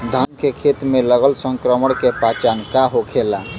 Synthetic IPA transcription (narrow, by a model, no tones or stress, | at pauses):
d̪ʱankekʰet̪meləɡəlsə̃ŋkɾəməɽkepat͡ʃankaɦokʰela